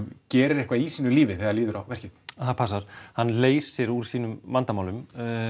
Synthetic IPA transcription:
cɛːɾɪɾɛhkvaisiːnʏliːvɪθɛðaliːðʏɾawvɛr̥cɪt̪θapʰas̬aɾ̥hanːleːjsːɛɾuɾ̥siːnʏmːant̪amaːwlʏm

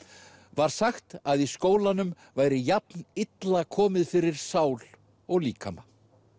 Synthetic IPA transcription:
vaɾ̥saxt̪aðiskoːwlanʏm | vaːjɾɪjapnɪt̪lakʰɔːmɪðfɪɾɪɾ̥saːwl | ɔɣliːkʰa̰ma

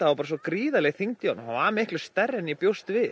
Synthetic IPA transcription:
aawpaːɾas̬ɔkɾiːðalɛɣθiŋt̪janhavaɾmɪhklʏ̥st̪ɛrːɪnipjowst̪vɪ

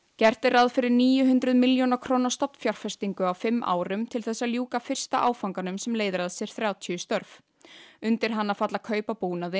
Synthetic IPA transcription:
cɛr̥t̪ɪɾaðfɪɾɪɾniːjʏɦʏnt̪ɾʏðmɪljownakʰɾoːnḁst̪ɔpnfjar̥fɛst̪iŋkʏawfɪmːʔa̰ːwɾʏmt̪ʰɪlθɛsːaljuːkafɪr̥st̪aʔaːwfawŋkanʏmsɛmleːjðɾaðsjɛɾ̥θɾjaːwt̪ʰʏʏst̪œɾv | ʏnt̪ɪɾ̥ɦanːaðfat̪lakʰœːɥpapuːnaðɪ

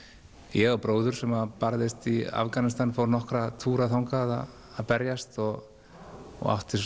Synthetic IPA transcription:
jɛɣawpɾoːwðʏɾ̥sɛmaðpaɾðɪst̪ia̰vkanɪst̪anfowɾnɔhkɾat̪ʰuːɾaθawŋkaða̰ː | ðpɛɾjast̪ɔɣ̰ | ɣa̰ht̪ɪs

